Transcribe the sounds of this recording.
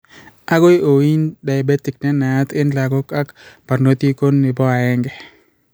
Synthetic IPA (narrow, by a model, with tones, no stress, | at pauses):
a˦ɡo˦jo˨wi˦nda˨jbɛ˦tɪ˨k̚nɛ˦na˨a˦t̪ɪ˦nla˨ɡɔ˦ka˦kpa˨rno˦t̪i˦ko˦nːɪ˨bɔ˦a˨ɛ˦ŋɡɛ˨